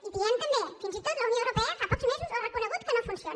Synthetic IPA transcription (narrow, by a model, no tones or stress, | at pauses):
iβient̪əmbefinzit̪ot̪ləunijoəwɾupɛəfapɔkzmezuzarəkunəɣ̞ut̪̚kənofunsion